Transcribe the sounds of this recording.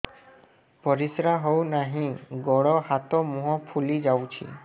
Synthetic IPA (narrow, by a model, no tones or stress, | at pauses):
pɔɾisɾaɦownaɦĩɡɔɽɔhat̪ɔmuɦɔ̃pʰulid͡ʒawt͡ʃʰḭ